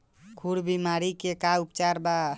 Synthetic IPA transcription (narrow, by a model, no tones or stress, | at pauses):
kʰuɽbimaɾikekaupt͡ʃaɾba